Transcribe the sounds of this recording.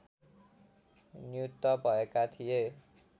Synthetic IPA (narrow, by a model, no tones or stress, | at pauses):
njut̪ːʌbʱʌekat̪ʰije